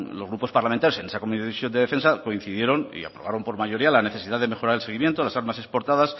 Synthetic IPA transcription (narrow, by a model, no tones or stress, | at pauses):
lo̞zɣɾupo̞spaɾlamẽnt̪ajoe̞nesakomiisjo̞nd̪e̞ðe̞fe̞nsako̞in̟θiðje̞ɾo̞nḭa̰pɾoβaɾo̞mpoɾmaʝo̞ɾialane̞θe̞siðaðeme̞xo̞ɾaɾelse̞ɣ̞imje̞nt̪olasaɾmasespo̞ɾt̪aðas